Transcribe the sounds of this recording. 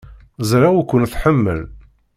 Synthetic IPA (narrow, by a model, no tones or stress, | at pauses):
zɾawukʷːənθħəmːə̰l